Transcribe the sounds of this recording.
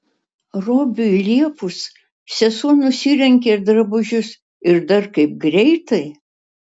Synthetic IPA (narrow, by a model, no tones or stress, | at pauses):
ɾoːbʲʊilʲiɛpʊs | sʲɛsuɔnʊsʲiːɾʲɛŋʲkʲeɾd̪ɾɐbʊʒʲʊs | ɪɾd̪ɐɾkɐɪp̚ɡɾʲɛɪt̪ɐɪ